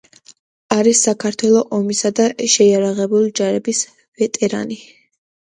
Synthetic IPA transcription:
aɾisːakʰaɾt̪ʰwɛlˠɔʔɔmisad̪aʃɛiaɾaʁɛbulid͡ʒaɾɛbis | vɛt̪ʼɛɾa̰ni

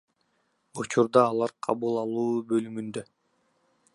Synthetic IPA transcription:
ut͡ʃuɾd̪ɑːlˠɑɾqʰɑβulˠɑlˠuːbølymynd̪ø

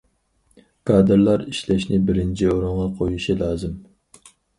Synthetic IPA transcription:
kʰɑːd̪ɨɾlˠɑɾiʃlɛʃnɪbɪɾɪnt͡ʃʰioɾʊɴʁɑqʰojuʃilˠɑːzɨm

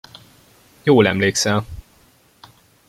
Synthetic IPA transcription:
joːlɛ̰mleːksɛl

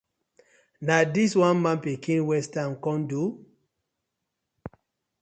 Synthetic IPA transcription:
nadiswãnmãnpikĩnwɛstankɔ̃ndu

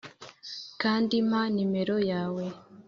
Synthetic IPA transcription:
kaːndimanime̞ɾo̞jaːwe̞

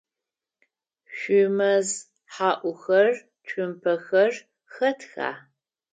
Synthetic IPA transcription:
ɕʷʊmɐz | ħaːʔʷʊxɐr | t͡ʃʷʰʼʊmpʰɐxɐr | xɐtʰxa̰ː

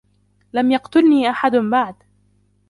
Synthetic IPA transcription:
lamjɑqt̪ʊlniːʔaħad̪baʕd̪

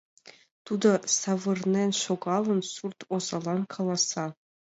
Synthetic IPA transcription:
t̪ud̪ɤ̆sɑʋɤ̆rnʲenʲʃoɡɑlˠɤ̆nsurt̪ozɑlˠɑnkʰɑlˠɑsɑ

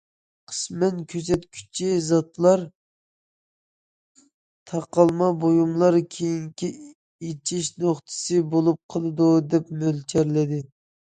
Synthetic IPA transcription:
qʰə̥smɛnkʲʰøsɛt̪kʲʰy̥t͡ʃʰizɑt̪lˠɑɾ | t̪ʰɑqɑlˠmɑbojumlˠɑɾkʲʰejiŋkʲi | et͡ʃʰiʃnoχt̪ʰɨ̥sɨbolˠup̚qʰəlˠɨd̪ud̪ɛpmølt͡ʃʰɛɾlɪd̪ɪ

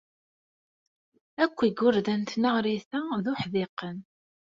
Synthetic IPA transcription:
ækʷːiɡʊɾðænt̪nəʁɾiθæðʊħðɪqːən

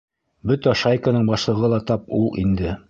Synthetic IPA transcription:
bɵt̪æʃajkanɤɴbɑʃlˠɤ̆ʁɤlˠɑt̪ɑpulˠʔḭnd̪ɘ

